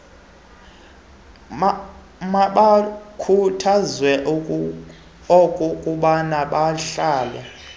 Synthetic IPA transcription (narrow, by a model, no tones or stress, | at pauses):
maɓakʰutʰazwɛ | okʼukʼuɓanaɓaɬaːlɛ̰